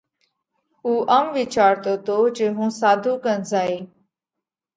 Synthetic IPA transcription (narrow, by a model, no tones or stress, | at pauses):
uːʔəmʋɪt͡ʃaːɾt̪oːt̪oːd͡ʒeːɦũːsaːd̪ʱũːkənzaːiː